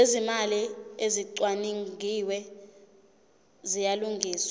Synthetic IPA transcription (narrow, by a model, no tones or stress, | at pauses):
ezimalieziǀwaniŋɡʱiwɛ | zijaluŋɡʱiːswa